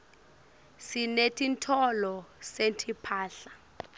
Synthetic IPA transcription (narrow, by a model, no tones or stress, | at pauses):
sinetʰintʰɔlɔsentʰipʰaːɬa